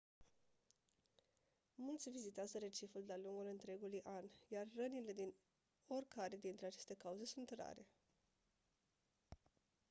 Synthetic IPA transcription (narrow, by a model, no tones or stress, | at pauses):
mult̪sʲvizit̪eazəɾe̞t͡ʃifuld̪aluŋɡulɨnt̪ɾe̞ɡulujʔanjarːənile̞d̪in | o̞rʲkʰaɾe̞d̪int̪ɾe̞at͡ʃe̞st̪e̞kauze̞sunt̪ra̰ɾe̞